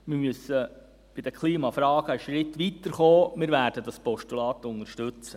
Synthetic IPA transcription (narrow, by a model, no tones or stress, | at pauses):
mɪɾmysə | b̥ɪd̥̪əkʰliːmɑfɾɑːɡ̥əəʃɾɪt̪ʋit̪əɾχoːmɪːɾvʋæːɾd̥əd̪ɑspɔʃtulɑːt̪ʊŋəɾʃtʉt͡sə